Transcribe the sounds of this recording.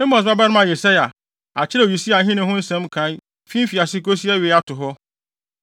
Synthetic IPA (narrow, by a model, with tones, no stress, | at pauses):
e˦mɔ̃˨s̬ba˦ba˦nʊ̃˦mã˨jɛ˨sɛ˦ja˨ | a˨t͡ɕʰɪ˦ɛ˦˨o˨ji˨si˦a˨ɦĩ˦nʊ̃˨ɦʊ̃˦n̩˦sɛ̃˦mkʰã˨˦n | fĩ˦fi˨a˨sɪ˦ko˦s̬i˦ɛ˦ɥe˨˦a˦tʊ˨ɦɔ˦